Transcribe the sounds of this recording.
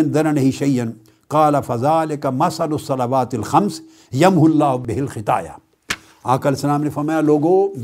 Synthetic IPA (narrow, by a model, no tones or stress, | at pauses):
ɪnd̪ɐɾɐnɐɦiʃɐjɐn | qɑːlɐfɐzaːlɪkɐmɐsɐlʊsːɐlɐʋaːt̪ɐlxɐms | jɐmɦʊlːaːbɪɦɪlxɪt̪a̰ːja̰ | aːkɐlsɐlaːmnefɐɾmaːjaloːɡoː